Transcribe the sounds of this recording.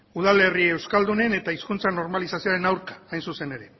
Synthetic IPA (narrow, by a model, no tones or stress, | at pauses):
uð̞ale̞rie̞wskald̪une̞ne̞t̪aiskunt͡sano̞ɾmalisasioaɾe̞nawɾkḁːjnsuse̞ne̞ɾe̞